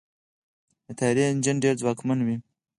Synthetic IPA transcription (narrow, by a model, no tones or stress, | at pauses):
d̪ət̪ʰajɾiɪnd͡ʒanɖeɾd͡zwɑkmanwi